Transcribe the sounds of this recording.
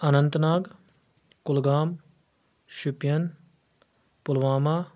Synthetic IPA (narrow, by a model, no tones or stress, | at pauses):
ənənt̪naːɡ | kʊlɡaːm | ʃʊpɪjən | pʊlʋaːmaː